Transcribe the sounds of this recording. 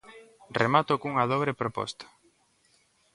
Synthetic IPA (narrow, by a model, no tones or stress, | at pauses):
remat̪okuŋaðoβɾepɾopɔ̰st̪ḁ